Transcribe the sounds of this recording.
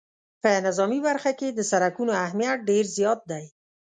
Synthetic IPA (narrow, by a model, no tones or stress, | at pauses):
pənɪzɑmibaɾxaked̪əsaɾakunoahmijat̪̚ɖeɾzjɑt̪̚d̪aj